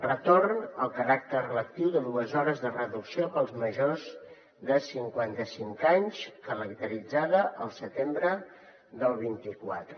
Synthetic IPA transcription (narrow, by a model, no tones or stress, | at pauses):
rət̪ornəlˠkəɾak̚t̪ərrələk̚t̪iwðəðuəzɔɾəzðərəðuksiopəlˠzməʒoz | ðəsiŋkwant̪əsiŋkaɲskəɾək̚t̪əɾid͡zaðəʔəlˠsət̪embɾə | ðəlˠβ̞int̪ikwa̰t̪ɾə